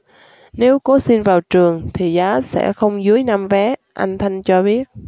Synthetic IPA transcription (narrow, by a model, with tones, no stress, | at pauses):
ne˨˦wko˨˦si˧nvaː˨˩wt͡ɕɨ˨˩əŋt̪ʰi˨˩zaː˨˦sɛ̰˧˥xə˧wŋ͡mzɨ˨˦əjna˧mvɛ˨˦ʔa˧jŋ̟t̪ʰa˧jŋ̟t͡ɕɔ˧ɓi˦˥ət̚